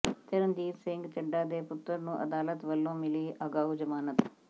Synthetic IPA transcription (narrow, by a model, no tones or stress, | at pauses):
t̪ɪɾənd̪iːt̪sɪ̃ŋɡt͡ʃəɖːaːd̪eːpʊt̪ːəɾnũːʔə̰d̪aːlət̪ʋəlːõːmɪliːʔaːɡaːɦud͡ʒəmaːnət̪